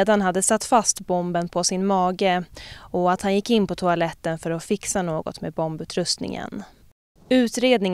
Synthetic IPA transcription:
d̪anɦad̪ːəsat̪ːfast̪bɔmbənpʰɔsɪnmɑːɡəɔat̪hanjɪkːɪnːpɔt̪ʰʊalɛt̪ːənfœɾɔfɪksanoːɡɔ̰t̪mḛːd̪bɔmbʉ̟ːt̪ʰɾɵst̪nɪ̰ŋə̰n | ʉ̟ːt̪ɾeːd̪nɪŋ

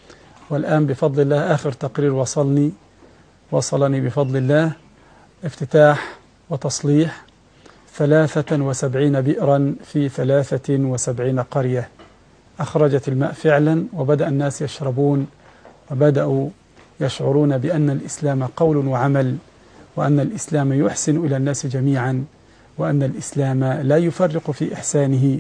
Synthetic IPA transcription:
wɪlʔaːnbɪfɑd̪ˤlɪlːaːhʔaːxɪɾt̪ɑqɾiːɾwɑsˤɑlni | wɑsˤɑlɑniːbɪfɑd̪ˤlɪlːaː | ʔɪft̪ɪt̪aːħ | wɪt̪ɑsˤliːħ | θalaːθawɪsabʕiːnabɪʔɾɑnfiːθalaːθawɪsabʕiːnaqɑɾja | ʔaxɾˤɑd͡ʒat̪ɪlma̰ːʔfɪʕlanwɪbad̪aʔanːaːsjɑʃɾˤɑbuːn | wɪbad̪aʔu | jaʃʕʊɾˤuːnabɪʔanːalʔɪslaːmaqɑwlwaʕamal | wɪʔanːalʔɪslaːmajʊħsɪnʔɪlaːnːaːsd͡ʒamiːʕan | wɪʔanːalʔɪslaːmalaːjʊfɑrːɪqfiːʔɪħsaːnɪɦɪ

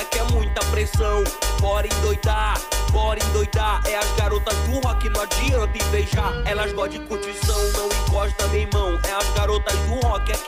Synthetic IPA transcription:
kɪɛmũj̃t̪ɐpɾesɐ̃w̃pɔɾẽj̃d̪ojd̪apɔɾẽj̃d̪ojd̪aɛɐzɡaɾot̪ɐzd̪ũɦɔkɪnɔ̃d͡ʒiɐ̃d̪ɪ̃jbejʒaɛlɐzɡɔd͡ʒɪ̃kut͡ʃisɐ̃w̃nɐ̃w̃ɪ̃kɔʃt̪ɐ̃mẽmɐ̃w̃ɛɐzɡaɾot̪ɐzd̪ũɦɔkɪɛk

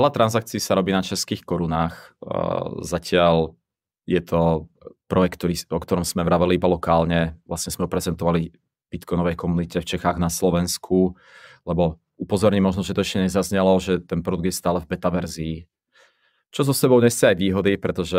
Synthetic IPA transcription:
ɛlat̪ɾanzak̚t͡siːsaɾɔbiːnat͡ʃɛskiːxkɔɾunaːx | zacɪal | jɛt̪ʰɔpɾɔjɛkt̪ːɔɾiːɔkt̪ɔɾɔmz̥mɛʋɾaʋɛliibalɔkaːlɲɛʋlasɲɛzmɛɔpɾɛzɛnt̪ɔʋali | b̥it̪kɔnɔʋɛjkɔmunicɛft͡ʃɛxaːɣnaslɔʋɛnskʰu | lɛbɔ | upɔzɔɾɲimɔʒnɔʒɛt̪ɔɛʃcɛɲɛzazɲɛlɔʒɛt̪ɛnpɾɔd̪uɡd̪jɛst̪aːlɛvbɛt̪aʋɛɾziː | t͡ʃɔzɔsɛbɔʊɲɛsɛajʋiːɦɔd̪ipɾɛt̪ɔʒɛ

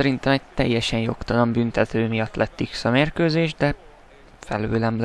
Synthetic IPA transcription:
ɛɾint̪ɛmɛɟt̪ɛ̰jːɛʃɛnjo̞kt̪ɒno̞mbynt̪ɛt̪øːmijɒt̪lʔɛt̪ːiksɒmeːrkøːzeːʒd̪ɛ | fɛ̰løːlɛml

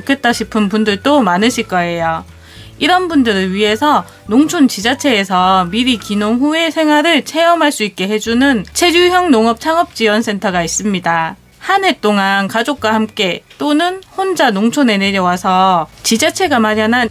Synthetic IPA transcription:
kʰe̞t͈̚aɕʰipʰɯnpundɯɭt͈omanɯɕʰiɭk͈ʌe̞jo | iɾʌnbundɯɾɯɭɥiɦe̞sʰʌ | noŋt͡ɕʰont͡ɕid͡ʑat͡ɕʰe̞ːsʰʌmiɾikinoŋɦue̞sʰe̞ŋɦwaɾɯɭt͡ɕʰe̞jʌmɦaɭs͈uik̚k͈e̞ɦe̞d͡ʑunɯnt͡ɕʰe̞ɾjujʌŋnoŋʌp̚t͡ɕʰaŋʌp̚t͡ɕ͈iwʌnsʰe̞ntʰʌɡais͈ɯmɲida | hanɦe̞t͈oŋankad͡ʑok̚k͈wahamk͈e̞t͈onɯnhond͡ʑanoŋt͡ɕʰone̞ne̞ɾjʌwasʰʌt͡ɕid͡ʑat͡ɕʰe̞ɡamaɾjanɦan

